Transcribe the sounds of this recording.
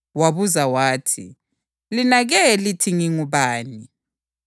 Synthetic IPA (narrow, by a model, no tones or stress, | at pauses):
waβuzawaːtʰḭ | linaɣɛlitʰiŋiŋuβaːni